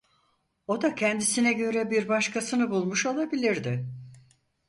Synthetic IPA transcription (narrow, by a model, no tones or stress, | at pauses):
o̞d̪acʰɛnd̪isinɛɟø̞ɾɛbiɾbaʃkʰasɯnɯbulˠmuʃo̞lˠabilʲiɾd̪ɪ